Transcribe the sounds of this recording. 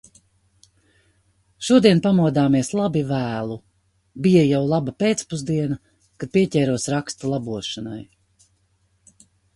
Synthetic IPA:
ʃuɔd̪iɛnpamuɔd̪aːmiɛslˠabivæːlˠu | bijajawlˠabapeːt̪spuzd̪iɛna | kad̪̚piɛcɛːɾuɔsɾakst̪ulˠabuɔʃana̰j

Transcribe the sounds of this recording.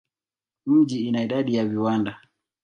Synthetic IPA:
m̩ʄiinaiɗaɗijaviwanda

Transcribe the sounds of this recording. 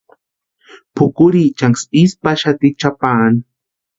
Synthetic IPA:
pʰʊkʊɾit͡ʃaŋsispaʃat̪it͡ʃapaːn

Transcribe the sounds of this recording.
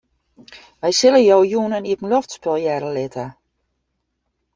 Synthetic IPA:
ʋɛjsɪləjowjuənənitən̩loftspɪlˠjɛɾəlɪtə

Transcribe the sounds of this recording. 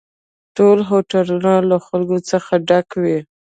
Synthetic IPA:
ʈolɦoʈalunalaxalɡot͡səxaɖakwi

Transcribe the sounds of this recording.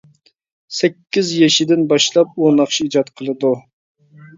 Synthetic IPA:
sɛkʲːɪzjɛʃɪd̪ɪnbɑʃlˠɑp̚onɑχʃiid͡ʒɑt̪qʰəlˠɨd̪u

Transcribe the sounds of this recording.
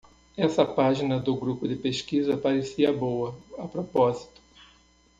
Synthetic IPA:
ɛsɐpaʒinɐd̪ʊɡɾupʊd̪ɪpeʃkizɐpaɾesiɐbowɐɐpɾopɔzi̥t̪ʊ̥

